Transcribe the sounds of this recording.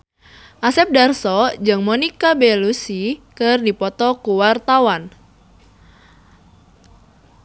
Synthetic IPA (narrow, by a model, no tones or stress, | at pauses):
ʔasɛp̚darsɔd͡ʒɨŋmɔnikabelusikɨrdipɔt̪ɔkuwart̪awan